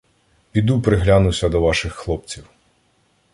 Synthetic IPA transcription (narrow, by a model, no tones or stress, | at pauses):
pʲid̪upɾɪɦlʲanʊwsʲɐd̪ɔʋɑʃɪxːlˠɔp̚t͡sʲiw